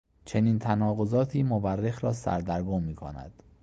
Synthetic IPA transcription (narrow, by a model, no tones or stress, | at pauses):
t͡ʃʰe̞niːnt̪ʰænɒːɣozɒːt̪ʰiːmoværːexɾɒːsæ̰ɾd̪æɾɡoːmiːkʰo̰næ̰d̪̥